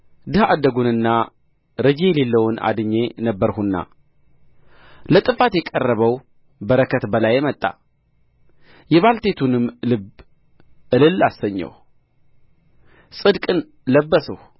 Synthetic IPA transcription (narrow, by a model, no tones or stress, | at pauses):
d̪ɨhad̪əɡunɨnːa | ɾəd͡ʒejlelːəwʊna̰d̪ɨɲːe̞nəbːəɾhunːa̰ | lət̪ʼɨfat̪jɛkʼərːəβəw | bəɾəkʰət̪bəlajːɛmət̪ʼːa̰ | jɛβalt̪ʰe̞t̪ʰunɨmlɨb | ɨlɨlːasəɲːə̰w | sʼɨd̪kʼɨn | ləbːəsəh